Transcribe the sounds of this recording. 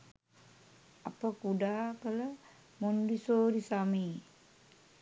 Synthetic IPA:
apəkuɖaːkələ | mondisoːɾisamej

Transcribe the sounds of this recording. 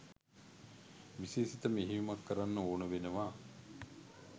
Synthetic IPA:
ʋisiːsit̪əmeɦiumakːəɾanːəoːnəʋenəʋa

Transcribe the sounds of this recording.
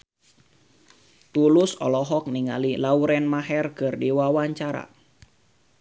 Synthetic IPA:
t̪ulusɔ̰lɔɦɔk̚niŋa̰lilauɾɛnmaɦɛrkɨrdiwawaɲt͡ʃaɾa̰

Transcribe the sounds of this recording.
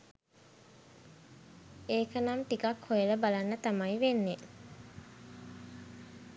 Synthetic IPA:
eːkənamt̪ikakhojeləbalanːət̪amajiʋenːe

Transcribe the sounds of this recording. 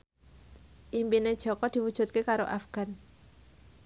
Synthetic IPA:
ʔimpined̥ʒ̥ɔ̤kɔd̪̥i̤wud̥ʒ̥ṳt̪̚kekaɾoʔafɡ̥a̤n

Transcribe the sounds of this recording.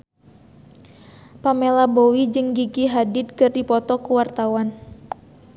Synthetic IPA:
pamelabowid͡ʒɨŋɡiɡiɦadɪd̪̚kɨrdipɔt̪ɔkuwart̪awan

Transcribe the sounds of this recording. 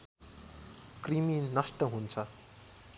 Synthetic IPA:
kriminnʌsʈʌɦunt͡sʰʌ

